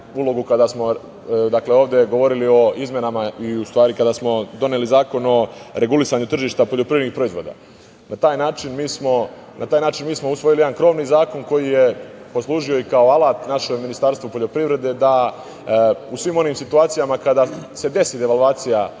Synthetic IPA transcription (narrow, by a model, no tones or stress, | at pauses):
ulo̞ɡukad̪asmo̞ | d̪akle̞o̞ːʋd̪e̞ɡo̞ʋo̞ɾilio̞izmje̞namaiust̪ʋaːɾikad̪asmo̞d̪o̞nelizaːko̞no̞ɾe̞ɡulisaɲut̪r̩ʒiːʃt̪apo̞ʎo̞pɾiʋɾenixpɾo̞izʋo̞ːd̪a̰ː | nat̪aːjnaːt͡ʃinmiːsmo̞nʔat̪aːjnaːt͡ʃinmiːsmo̞usʋo̞jilieankɾo̞ːʋniːzaːko̞nko̞jije̞po̞slˠuːʒio̞ikaoalˠaːt̪naʃemminist̪aɾst̪ʋopoʎo̞pɾiʋɾe̞d̪e̞d̪a | usʋimo̞niːmsit̪uaːt̪sijamakad̪ase̞d̪e̞sid̪eʋalˠʋaːt̪sija